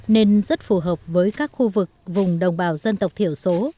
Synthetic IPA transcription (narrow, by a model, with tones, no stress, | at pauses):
ne˧nzə˦˥t̚fu˧˩ɦəː˨˩p̚vəː˨˦jkaː˦˥k̚xu˧vɨ˨˩k̚vʊ˨˩ŋ͡mɗə˨˩wŋ͡mɓaː˧˨˩wzə˧nt̪ə˨˩wk͡p̚t̪ʰi˧˩əwso˨˦